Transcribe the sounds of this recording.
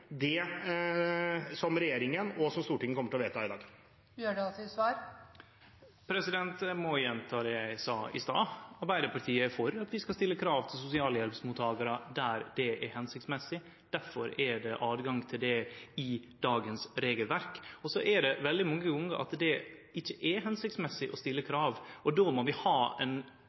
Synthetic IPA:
d̪ɛ | sɔmɾɛjeːɾɪŋənɔsɔmst̪uːʈɪŋːəkɔmːəʈʰɪlɔʋeːt̪əɛɪd̪ɑ̰ːɡ | jøːɖɛɑsɔsʋɑːɾ | pʰɾɛsɪd̪ɛnt̪mɔjɛnt̪ʰɑːd̪ɛjæɪsɑːʔɪst̪ɑːɑɾbæɪd̪əɾpɑʈʰiːəfɔɾɑt̪ʋɪskɑst̪ɪlːəkʰɾɑːʋt̪ʰɪlsʊsɪɑːləjɛlpsmuːt̪ʰːɑːɡɑɾəd̪æɾd̪ɛʔɛɾhɛnsɪkt̪smɛsɪ | d̪̥æɾfɔɾɛɖɛʔɑːd̪ɡɑŋt̪ʰɪld̪ɛɪd̪̥ɑːɡənsɾeːɡəlʋæɾkɔsɔʔɛɖɛʋɛld̪ɪmɑŋːəɡʊŋːəɾʔɑ̰t̪d̪ɛɪçːəʔɛɦɛnsɪkt̪smɛsːɪʔɔst̪ɪlːəkʰɾɑːʋɔd̪oːmɔʋɪhɑːɛn

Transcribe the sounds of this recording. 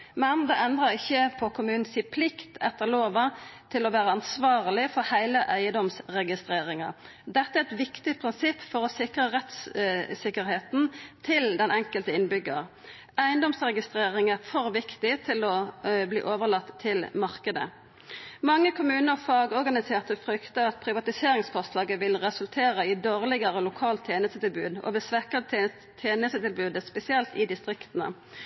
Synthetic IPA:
mɛnd̪ɛʔɛnd̪ʁəʁɪçːəpʰɔkʰʊmʉːnn̩siːpʰlɪkt̪ɛt̪ːəʁloːʋɑt̪ʰɪlɔʋæːʁəɑnsʋɑːʁlɪfɔɾhæɪləʔæɪəd̪ɔmsʁɛɡɪst̪ʁeːɾɪŋɑ̰ | d̪ɛt̪ːəæɛt̪ʋɪkt̪ɪpʰʁɪnsɪpːfɔʁɔsɪkɾəʁɛt̪ssɪkəɾheːt̪n̩t̪ʰɪld̪ɛnʔɛŋkəlt̪əɪnbʏɡə̰ɾ | æɪənd̪ɔmsʁɛɡɪst̪ʁeːʁɪŋæʁfɔʁʋɪkt̪ɪt̪ʰɪlɔblḭːʔoːʋəʁlɑt̪ʰːɪlmɑʁkəd̪ə̰ | mɑŋːəkʰʊmʉːnəʁfɑːɡɔʁɡɑnɪseːʁt̪əfʁʏkt̪əɑt̪̚pʰʁɪʋɑt̪ɪseːɾɪŋsfɔʁst̪lɑːɡəʋɪlʁɛsʉlt̪ʰeːʁəɪd̪oːʁlɪɡəʁəlʊkʰɑːlt̪ʰːjeːnəst̪ət̪ɪlbʉ̰ːd̪ɔ̰ʋɛsʋɛkə | t̪ʰeːnəst̪ət̪ɪlbʉːd̪əspɛsɪɛlt̪ɪd̪ɪst̪ʁɪkt̪ən̩ə̰

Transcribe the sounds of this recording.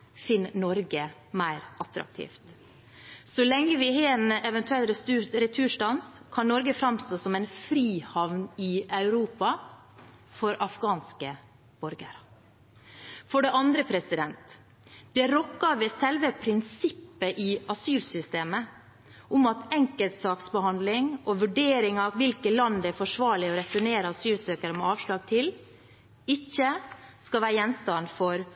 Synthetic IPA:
fɪnːnɔɾɡəmæɪɾʔɑt̪ɾɑ̰k̚t̪ʰḭːft̪ | sɔlɛŋːəʋɪɦeɛnɛʋɛnt̪ʉɛlɾɛt̪ʰʉːʂʈɑnskʰɑnnɔɾɡəfɾɑmst̪oːsɔmæɪnfɾiːhɑʋnɪʔɑʉɾuːpɑ | fɔɾɑfɡɑːnskə | b̥ɔɾɡə̰ɾ | fɔɖɛʔɑnd̪ɾəpʰɾɛsɪd̪ɛnt̪ | d̪̥ɛɾɔkːɑʋeːsɛlʋəpʰɾɪnsɪpːəʔɪʔɑsyːlsʏst̪eːmə | ʔʊmɑt̪ɛŋkəlt̪sɑːksbəhɑnd̪lɪŋʔɔʋʉɖeːɾɪŋɑʋɪlkəlɑnd̪æfɔʂʋɑːɭɪɔɾɛfɔɳeːɾəɑsyːlsøːkəɾəmɛɑːʋʂlɑːɡ̚t̪ʰɪl | ɪçːəskɑlʋæːɾəjɛnst̪ɑnfɔɾ

